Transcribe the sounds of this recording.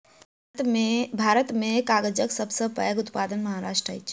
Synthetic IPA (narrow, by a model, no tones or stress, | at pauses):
bʱaɾət̪mekaɡəd͡ʒəksəbsə̃pə̰jəɡut̪pad̪ənməɦaɾaʃʈɾəə̰jt͡ʃʰ